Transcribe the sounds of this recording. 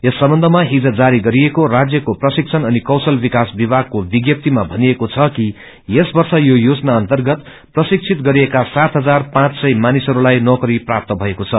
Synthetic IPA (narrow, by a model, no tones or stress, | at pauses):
esːʌmbʌnd̪ʱʌmaɦid͡zʌd͡zaɾiɡʌɾiekorad͡zjʌkoprʌsik̚t͡sʰʌnʌnikʌwsʌlbikasbibaɡ̚kobiɡjʌp̚t̪imabʱʌniekot͡sʰʌki | jesbʌrsʌjojod͡znaʌnt̪ʌrɡʌt̪ | prʌsik̚t͡sʰit̪̚ɡʌɾiekasat̪ɦʌd͡zarpãt͡ssʌjmanisʌɾulajnʌkʌɾiprap̚t̪ʌbʱʌekot͡sʰʌ